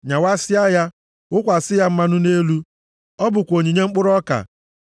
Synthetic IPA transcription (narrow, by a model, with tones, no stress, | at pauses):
ɲa˨wa˦sɪ˦a˦ja˦ | ʊ˦kʷa˨sɪ˦ja˦m̩˦ma˦nʊ˦ne˦lu˦ | ɔ˦bʊ˨kʷo˨ɲi˨ɲe˦ŋ͡m̩˦k͡pʊ˦ɾɔ˦ka̰˨